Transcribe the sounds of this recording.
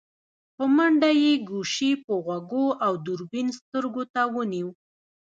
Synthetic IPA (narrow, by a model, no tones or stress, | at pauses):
pəmaɳɖajeɡuʃipəɣwaɡoawd̪uɾbinst̪əɾɡot̪awəniw